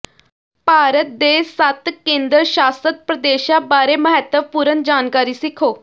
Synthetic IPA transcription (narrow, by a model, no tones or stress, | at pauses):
paːɾət̪̚d̪eːsət̪kẽːnd̪əɾʃaːsət̪̚pɾəd̪eːʃãːbaːɾeːməɦɛt̪ːəʋpuːɾənd͡ʒaːnkaːɾiːsɪkʰoː